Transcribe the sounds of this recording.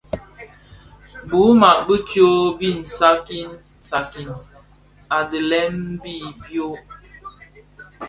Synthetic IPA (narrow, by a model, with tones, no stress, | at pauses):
bu˨˦ma˨ʔbə˦tjo˦bi˦˨n̩˨sa˦ki˦n | sa˨ki˨n | a˨də˨lɛ˦mbi˦˨bjo˦